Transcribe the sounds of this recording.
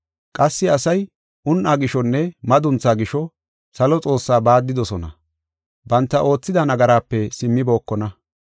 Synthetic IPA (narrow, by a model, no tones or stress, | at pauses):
kʼɐsːɪɐsɐj | ʔʊnʔaːɡɪʃɔnːɛmɐd̪ʊnt͡sːaːɡɪʃɔ | sɐlɔt͡sʼo̞ːsːaːbaːd̪ːɪd̪ɔsɔnɐ̰ | bɐnt̪ːɐʔo̞ːt͡sːɪd̪ɐnɐɡɐɾaːpːɛsɪmːɪbo̞ːkːɔnɐ